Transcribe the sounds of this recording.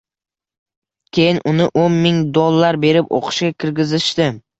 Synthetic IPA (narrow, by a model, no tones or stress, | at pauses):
kʲʰe̞jɪnʔʊnɪʔonmɪŋd̪olˠːaɾbe̞ɾɪpo̰qʰɨ̥ʃɡʲakʲʰɪɾɡʲɪzɪʃt̪ɪ